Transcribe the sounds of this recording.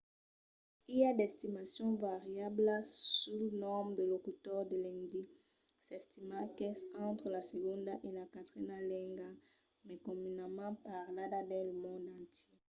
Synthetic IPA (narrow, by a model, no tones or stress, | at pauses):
ijad̪ɛst̪imasjɔ̃vaʁjabləsulnɔmd̪əlokut̪ɔʁd̪əlɛ̃ŋd̪i | sɛst̪imakɛsɑ̃t̪χəlaseɡɔ̃nd̪aʔelakat̪ʁinalɛ̃ŋɡa | mɛkɔ̃minamãpaʁlad̪ad̪ɛ̃ləmɔ̃nd̪ɑ̃nt̪je